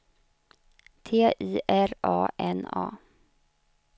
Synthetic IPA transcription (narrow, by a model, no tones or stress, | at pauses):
t̪ʰeːʔiːʔæɾɑ̰ːʔɛnɑ̰ː